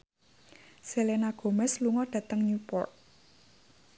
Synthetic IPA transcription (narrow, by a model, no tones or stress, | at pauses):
selenaɡ̥o̤mɛsluŋɔɖ̥a̤t̪əŋɲupɔ̰rk̚